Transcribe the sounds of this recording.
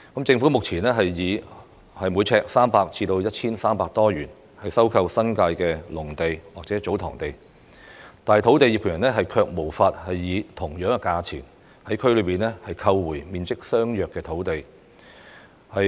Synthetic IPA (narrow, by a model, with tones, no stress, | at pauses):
kɐ˨˥mt͡sɪ˧ŋfuː˨˥mʊ˨k̚t͡sʰiː˨˩nɛː˥ɦɐ˨jːiː˨˧ | hɐ˨jmu˨˧˥jt͡sʰɛː˧k̚saː˥mpaː˧k̚t͡sʰiː˧t̪o˧wjɐ˥t̚t͡sʰiː˥nsaː˥mpaː˧k̚t̪ɔː˥jyː˨˩n | hɐ˨jsɐ˥wkʰɐ˧wsɐ˥nkaː˧jkɛː˧lʊ˨˩ŋt̪e˨jwaː˨k̚t͡sɛː˨˥t͡so˨˥wt̪ʰɔ̰ː˨˩ŋt̪e˨j | t̪aː˨jt̪ʰo˨˥wt̪e˨˧jiː˨˧pkʰːjɐ˨˩nlɛ˥ɦɐ˨jkʰœː˧k̚mo˨˩wfaː˧t̚hɐ˨jːiː˨˧t̪ʰʊ˨˩ŋjœː˨˥ŋɛ˧kaː˧t͡sʰḭː˨˩n | hɐ˨˥jkʰɵ˥ɥlɵ˨˧ɥpiː˨˩nlɛː˥hɐ˨jkʰɐ˧wːuː˨˩jmiː˨˧nt͡sɪ˥k̚sœː˥ŋjœː˨kːɛː˧t̪ʰo˨˥wt̪e˨j | hɐ˨